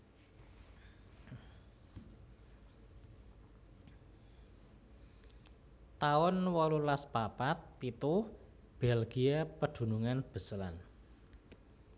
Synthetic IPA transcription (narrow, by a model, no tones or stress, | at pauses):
t̪aʊnwɔlulaspapat̪̚pit̪u | b̥ɛlɡ̥iapəd̪̥ṳnuŋanb̥ə̤səlan